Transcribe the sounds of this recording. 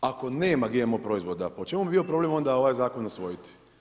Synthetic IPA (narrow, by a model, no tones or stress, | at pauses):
ako̞ne̞ːmaɡemopɾoizʋod̪apot͡ʃe̞mubibio̞pɾo̞blemo̞nd̪ao̞ʋajzaːko̞nosʋo̞jit̪i̥